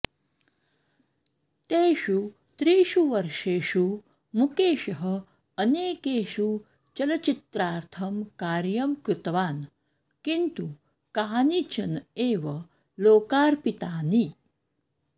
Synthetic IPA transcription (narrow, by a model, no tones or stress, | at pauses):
t̪eːʃu | t̪ɾiːʃuʋɐɾʂeːʃu | mukeːʃɐɦə | əneːkeːʃu | t͡ʃɐlɐt͡ʃit̪ɾaːɾt̪ʰɐmkaːɾjɐmkɾɪt̪ʋaːn | kint̪u | kaːnit͡ʃɐneːʋɐ | loːkaːɾpit̪aːni